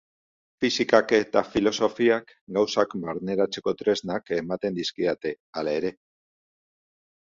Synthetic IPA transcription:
fisikake̞t̪afilo̞so̞fiak | ɡawsakbaɾne̞ɾat͡se̞ko̞t̪ɾe̞znake̞mat̪e̞nd̪iskiat̪e̞ | alae̞ɾe̞

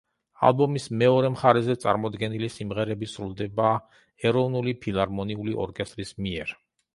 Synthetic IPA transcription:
a̰lˠbɔmismɛɔɾɛmχaɾɛzɛt̪sʼa̰ɾmɔd̪ɡɛnilisimʁɛɾɛbisɾulˠd̪ɛba | ɛɾɔvnulipʰilˠaɾmɔniuliʔɔ̰ɾkʼɛst̪ʼɾismiɛɾ

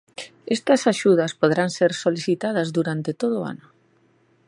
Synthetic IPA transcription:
ɛst̪ɐsaʃuðɐspoðɾaŋseɾsoliθit̪aðɐzðuɾant̪et̪oð̞ʊa̰nʊ

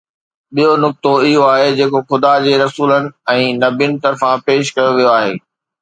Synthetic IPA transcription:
ɓijonʊk̚t̪oɪɦoaːɦed͡ʑeːkoxʊd̪ad͡ʑeːɾɐsuːlənɪ̆ɛ̃ːnɐbinɪ̆t̪ɐɾfãpeːʃkɐjoʋijoaːɦḛː

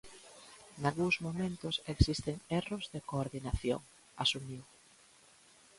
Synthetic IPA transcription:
nalɣuŋzmomẽnt̪ʊseksist̪eŋerʊzðekoːɾðinaθjo̰ŋ | asumiw

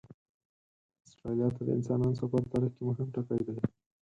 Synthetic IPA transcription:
asʈɾalijɑt̪ad̪ə̰ɪ̰nsɑnɑnsapaɾt̪aɾəxkemʊɦɪmʈakajd̪aj

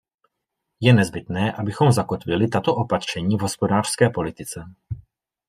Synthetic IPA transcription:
jɛnɛzbɪt̪nɛːʔabɪxo̞mzako̞t̪vɪlɪt̪at̪o̞ʔo̞pat̪r̝̥ɛɲiːvɦo̞spo̞daːr̥skɛːpo̞lɪt̪ɪt͡sɛ

